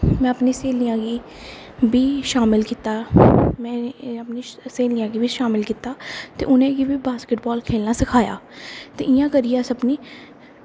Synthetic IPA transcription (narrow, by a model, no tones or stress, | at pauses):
mɛ̃ːəpniːseːlijãːɡiː | biːʃaːmɪlkiːt̪aːmɛ̃ːəpniːseːlɪjãːɡiːʋiːʃaːmɪlkiːt̪aːt̪ḛːʔʊnẽːɡiːʋiːbaːskɪʈbɔːlkʰeːlnaːsɪkʰaːja̰ːt̪ḛːʔɪjãːkəɾijaːsəbniː